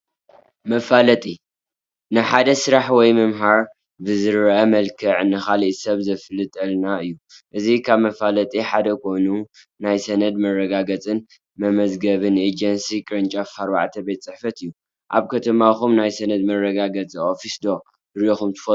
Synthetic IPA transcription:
mɐfalɐt̪ʼi | nɨħad̪ɐsɨɾaħwɔjmɨmɦaɾ | bɨzɨɾʔɐmɐlkʰɨʕnɨxaliʔ̪sɐβzɐfɨlɨt̪ʼɨlnaɨjːuʔɨzikʰaβmɐfalɐt̪ʼiħad̪ɐkʰo̞nu | najsɐnɐd̪mɐrːɐɡaɡɐt͡sʼɨn | mɐmɐzɡɐβɨned͡ʒɐnsikʼɨɾɨnt͡ʃʼafɐɾba̰ʕt̪ʰɐbet̪t͡sʼɨħfɐt̪ɨjːu | ʔa̰βkʰɐt̪ʰɐmaxumnajsɐnɐd̪mɐrːɐɡaɡɐt͡sʼiofisd̪o̞ | ɾoxumt̪ʰɨ̥fɐ

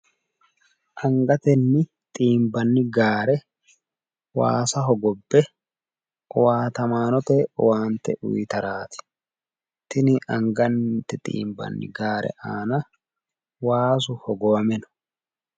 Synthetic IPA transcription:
ʔɐŋɡɐt̪ɛnːɪ | t̪ʼiːmbɐnːɪɡaːɾɛ | wa̰ːsɐɦɔɡɔbːɛ | ɔwaːt̪ɐmaːnɔt̪ɛwaːnt̪ːɛ̰ʔʊ̰jt̪ɐɾaːt̪ɪ̥ | t̪ɪnɪʔɐŋɡɐnt̪ɛt̪ʼḭːmbɐ̰nːɪ̰ɡaːɾʔɛ̰ʔaːnɐ | waːs̬ʊhɔɡɔwɐmɛnɔ̥

